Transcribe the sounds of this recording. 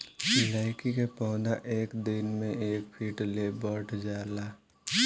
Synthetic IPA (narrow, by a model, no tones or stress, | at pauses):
laːɪkikepɔ̃ːd̪aʔeːkd̪ɪnmẽeːkpʰiːʈlebəʈʰd͡ʒaːlaː